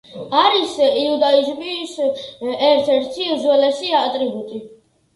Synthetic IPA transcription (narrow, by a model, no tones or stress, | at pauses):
aɾisiud̪aizbisɛɾt̪ʰɛɾt̪ʰizwɛlɛsiat̪ʼɾibut̪ʼi